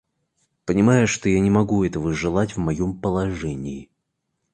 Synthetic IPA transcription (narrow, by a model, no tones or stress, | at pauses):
pənʲɪmajʊʂt̪ojanʲɪmɐɡuɛt̪əvəʐɨlˠatʲvmɐjompəlˠɐʐɛnʲɪɪ